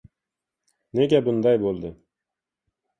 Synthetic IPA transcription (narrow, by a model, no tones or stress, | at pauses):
neɡʲabʊnd̪ɑjbolˠd̪ɪ